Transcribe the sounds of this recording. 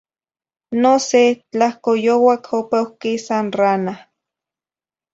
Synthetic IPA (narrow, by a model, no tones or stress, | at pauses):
noset͡ɬahkojowakʰopewkisanrana